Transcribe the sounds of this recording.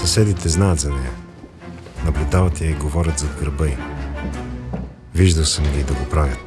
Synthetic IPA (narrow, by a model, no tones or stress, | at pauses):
sɐsɛd̪it̪ɛznajət̪zɐnɛjɐ̰ | nɐblʲud̪avɐt̪ɛjəiɡovɔɾʲət̪zɐd̪ɡəɾbəj | viʒd̪əlˠsəmɡʲid̪ɐɡopɾavʲjət̪